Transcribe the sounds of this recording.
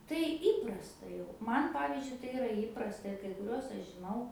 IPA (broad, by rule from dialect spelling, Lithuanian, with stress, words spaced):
tɐɪ ˈiːprɐstɐ jɛʊ ˈmɐn ˈpɑːʋʲiːzʲd͡ʒʲʊɪ tɐɪ ɪˈrɐ ˈiːprɐstɐ ɪr kɐɪ kʊˈrʲuɔs ˈɐʃ ʒʲɪˈnɐʊ